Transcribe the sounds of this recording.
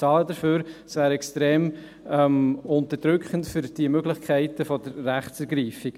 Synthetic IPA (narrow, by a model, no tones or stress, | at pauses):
ɑːləd̥əɾføːɾsvæːɾɛkstɾeːm | ɛmʊnt̪əɾd̥ɾʏkχəntfʏɾd̥iəmøɡlɪχkʰæɪtəfɔdəɾːæχt͡sɛɾɡɾiːfiɡ